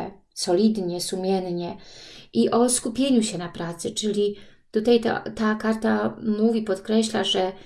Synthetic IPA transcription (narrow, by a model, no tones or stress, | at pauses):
ɛ | sɔlʲid̪ɲɛsumʲjɛnɲɛiʔɔskupʲjeɲuɕɛnapɾaːt̪sɨt͡ʂɨlʲit̪ut̪ajt̪a̰t̪aːkaɾt̪amuvʲipɔt̪kɾɛɕʎʲaʐɛ